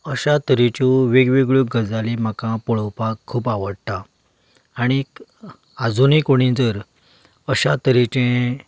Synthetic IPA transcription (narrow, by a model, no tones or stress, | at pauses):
əɕat̪əɾit͡ɕoʋeɡʋeɡɭoɡəd͡zalim̤akãpɔɭəwpakʰːuːpaʋəɽt̪aː | ɽ̃i | ad͡zunẽkoɽ̃ĩd͡zəɾ | əɕat̪əɾit͡ɕẽ